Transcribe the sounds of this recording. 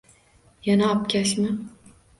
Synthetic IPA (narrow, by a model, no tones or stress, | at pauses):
janaɒpkʲaʃmɪ